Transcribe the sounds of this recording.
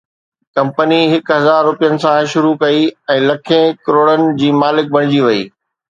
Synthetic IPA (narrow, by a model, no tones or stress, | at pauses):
kɐ̃mpəniɦɪkɦɐzaːɾːʊpijənɪ̆sãʃʊɾukɐiɛ̃ːlɐkʰẽkɾoːɽənɪ̆d͡ʑiːmaːlɪk̚bʱɐɽ̃ɪd͡ʑiʋɐiː